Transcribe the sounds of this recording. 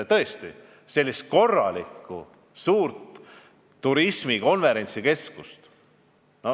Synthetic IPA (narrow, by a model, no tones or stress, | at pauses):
t̪ɤest̪ḭ | se̞lʲːist̪̚ko̞rːɑlikːˑṵ | suːrt̪ː | uɾisʲmiko̞nve̞ɾe̞nʲt̪sike̞skust̪ | no